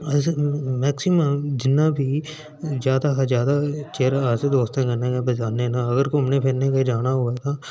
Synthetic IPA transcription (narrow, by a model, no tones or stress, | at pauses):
ɐsmɛːksɪməmd͡ʒɪnːabʱi | zjaːd̪aɦzjaːd̪at͡ʃeːɾaːsed̪oːst̪ẽkɐɾnekebɐd͡ʒaːnenaɐɡəɾkoɦɐmnẽpʰɪɾnekaid͡ʒaːnaɦoat̪ʰaː